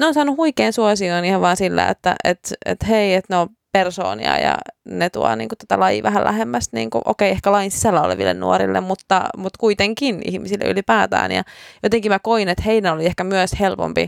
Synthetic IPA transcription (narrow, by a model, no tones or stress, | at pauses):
neoːnsɑːnuhuikeːnsuosioːniːheʋʋɑːnsilːæ̰ḛt̪ːæʔet̪ḛt̪heiet̪neo | perso̰ːnḭɑ̰jɑ̰net̪uɑnḭːŋkut̪æ̥t̪ælɑjḭʋæɦælæhemːæst̪nḭːŋkṵʔo̰keiehkælɑinsi̥sælːæo̰lḛʋḭlːḛnnṵoɾḭlːḛmmut̪ːɑmut̪kuit̪eŋkinḭhmisilːḛʔy̰lipæːt̪æ̰ːnjɑ̰jot̪eŋkimækoinet̪heidænoliehkæmyøshelpo̰mpḭ